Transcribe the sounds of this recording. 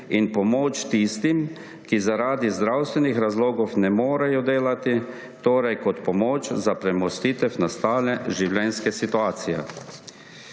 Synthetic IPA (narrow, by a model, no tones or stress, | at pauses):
inpɔmoːt͡ʃt̪ist̪im | kizaɾaːd̪izd̪ɾawst̪ʋɛnixɾazloːɡɔwnɛmoːɾajɔd̪eːlat̪i | t̪oːɾajkɔt̪pɔmoːt͡ʃzapɾɛmɔst̪it̪ɛfnast̪aːlɛʒiwljɛnskɛsit̪uaːt̪sijɛ̰